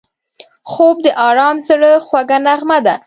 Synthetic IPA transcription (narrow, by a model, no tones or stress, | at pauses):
xob̚d̪əʔɑɾɑmzəɽəxwaɡanaɣmad̪a